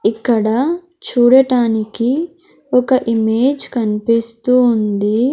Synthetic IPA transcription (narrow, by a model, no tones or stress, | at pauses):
ikːɐɽɐ | t͡ʃuːɽɐʈaːniki | ɔkɐʔimeːd͡ʒkɐnipist̪uːnd̪i